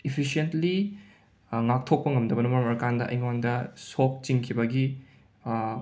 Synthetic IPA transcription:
ipʰisientli | ŋak̚tʰok̚pɐŋɐmdɐbɐnɐmɐɾmɐɾɐkandɐʔɐ̰jmwaŋdɐsok̚t͡ʃiŋkʰibɐɡi

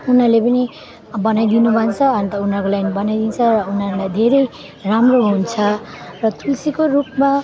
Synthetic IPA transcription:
unalepʌni | bʌnajd̪inubʱʌnt͡sʰʌant̪ʌunʌrkolaɡnibʌnajd̪int͡sʰʌrʌunɦalajd̪ʱeɾʌj | ramroɦunt͡sʰʌ | rʌt̪ʰulsikorupma

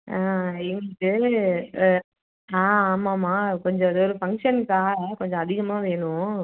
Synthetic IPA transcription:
aːɪŋʈːɯ | aːaːmaːmaːkɔɲd͡ʒɔ̃ɐðɯɔɾɯfɐŋʂɐnkaːkɔɲd͡ʒɔ̃ɐðɪɣɐmaːʋeːnʊ̃

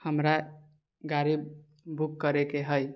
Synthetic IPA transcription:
həmɾa | ɡaɾibː | ukːəɾekeɦəj

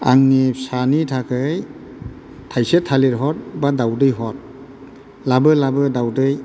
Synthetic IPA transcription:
a̰ŋnisanitʰakʰɯj | tʰajsetʰaliɾɦɔt̚badawdɯjɦɔt̚ | labɯlabɯdawdɯj

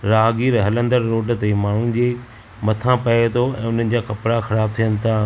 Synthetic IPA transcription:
ɾaːɡiɾɦɐlə̃nd̪əɾːoːɖt̪emaːɳ̤ʊnɪ̆d͡ʑeː | mɐt̪ʰãpɐet̪ʰoɛ̰̃ːʊn̤ənɪ̆d͡ʑaːkɐpɽaxɐɾaːb̚t̪ʰijənɪ̆t̪ʰaː

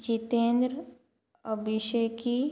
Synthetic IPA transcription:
t͡ʃit̪eːnd̪ɾ | əbɪʃeki

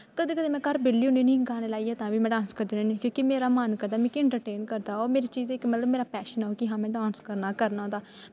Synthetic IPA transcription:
kəd̪eːkəd̪eːmɛ̃ːkəɾbɪlːiːɦʊ̃nd̪iːnĩːɡaːneːlaːiːɛːt̪ãːʋiːmɛ̃ːɖãːnskəɾd̪eːiːnĩːkjõːkimeːɾaːmaːnkəɾd̪aːmɛ̃ːkɪ̃ɳʈəɾʈeːnkəɾd̪aːoːɾmeːɾiːt͡ʃiːzekmət̪ləbmeːɾaːpɛːʃənaːoːkɪɦãːmɛ̃ːɖãːnskəɾnaːkəɾnaːɦõːd̪aː

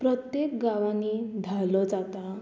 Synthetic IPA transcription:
pɾət̪jek̚ɡaʋanid̪ʱalɔt͡sat̪a

